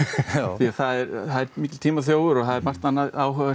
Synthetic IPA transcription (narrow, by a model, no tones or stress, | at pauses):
θiaðθaðɛɾθaðɛɾmiːcɪlt̪ʰiːmaθjoːwɣʏɾɔɣθaðɛɾmar̥t̪anːaðaːwɦœva